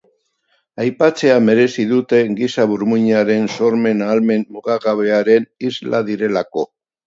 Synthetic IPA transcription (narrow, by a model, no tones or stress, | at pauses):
ajpat͡se̞ame̞ɾe̞siðut̪e̞ɡisaβuɾmuɲaɾe̞nso̞ɾme̞nalme̞nmuɣaɣaβe̞aɾe̞nizlaðiɾe̞lako̞